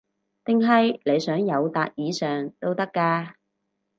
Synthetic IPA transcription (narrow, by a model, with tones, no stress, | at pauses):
t̪ɪ˨ŋɦɐ˨jle˨˧jsœː˨˥ŋjɐ˨˧wt̪aː˨t̚jiː˨˧sœː˨ŋt̪o˥wt̪ɐ˥kːaː˧